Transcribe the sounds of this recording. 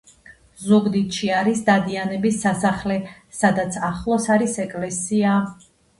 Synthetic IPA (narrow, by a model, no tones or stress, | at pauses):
zuɡd̪it̪ʃiaɾisd̪ad̪ianɛbisːasaχlɛ | sad̪at̪sʰaχlˠɔsaɾisɛkʼlɛsia